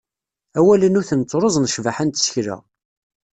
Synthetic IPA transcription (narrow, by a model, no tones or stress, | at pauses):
æwælənuθənt͡sˤːɾˤozˤnʃvaħant̪sçɾæ̰